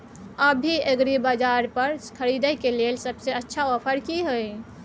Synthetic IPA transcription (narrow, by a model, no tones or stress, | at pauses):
əbʱiəɡɾibad͡ʒaːɾpəɾkʰəɾid̪əkelelsəbseətːʃʰaoːpʰəɾkiɦoi